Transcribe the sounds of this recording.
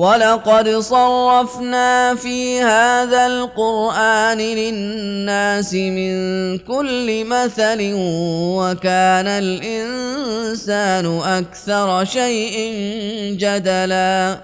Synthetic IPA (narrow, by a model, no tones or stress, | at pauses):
walɑqɑd̪sˤɑrˤːɑfnaːfiːhaːðalqʊɾʔaːnɪlɪnːaːsɪmɪnkʊlːɪmaθalɪwakaːnalʔɪnsaːnʊʔakθɑɾˤʃajʔɪnd͡ʒad̪alaː